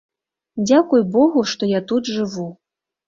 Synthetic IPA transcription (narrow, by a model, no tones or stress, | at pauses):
d͡zʲakujbɔɣuʂt̪ɔjat̪ud̪ʐɨvu